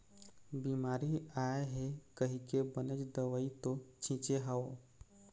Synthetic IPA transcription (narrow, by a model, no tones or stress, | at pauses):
biːmaːɾiaeɦekəɦikebənət͡ʃd̪əʋəit̪ot͡ʃʰĩːt͡ʃeɦəo